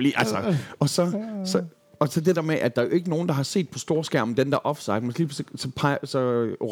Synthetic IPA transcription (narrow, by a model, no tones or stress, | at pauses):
liʔælsəɒ̽sɒ̽sɒ | ɒ̽sɒ̽d̥e̝d̥ḛɐ̰meʔæd̥ɑ̈æjo̝e̝ɡ̥əno̝ːn̩d̥ɑ̈ɦɑ̈se̝̰ːd̥̚pʰɒ̽sd̥o̝ːɐsɡ̥æɐ̰ɒmd̥end̥æɐʔɒ̽fsɑ̈ɪ̥mensli̥ːissɒ̽pʰɑɪsɒ̽